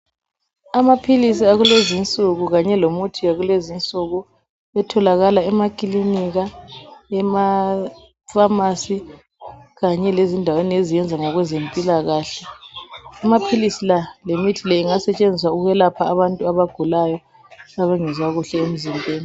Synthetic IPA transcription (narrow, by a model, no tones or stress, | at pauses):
amapʰilisiaɣulezint͡sʼuɣuɣaɲɛlomutʰiaɣulezint͡sʼuɣu | ɛtʰɔlaɣalaɛmakʼiliniɣaɛma | famasi | ɣaɲɛlezindʱaweniezijɛnd͡zʱaŋaɣwɛzempʼilaɣaːɬɛ | amapʰilisilalemitʰilɛiŋasɛt͡ʃʼend͡zʱis̬wauɣɛlapʰaːβantʼuaβaɡ̥ʱulajɔ | aβaŋɛzwaɣuɬɛem̩zimbʱʼeːni